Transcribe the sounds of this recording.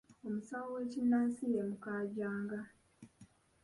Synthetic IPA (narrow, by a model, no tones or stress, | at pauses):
omusawowe̞ːcinːaːnsijemukaːɟaːŋɡa